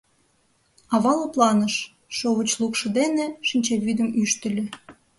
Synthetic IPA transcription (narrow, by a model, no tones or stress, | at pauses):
ɑβɑləplɑnəʃ | ʃoβət͡ɕlˠukʃɤ̆d̪eneʃinʲt͡ɕeβyd̪əmyʃt̪ə̆lʲø̆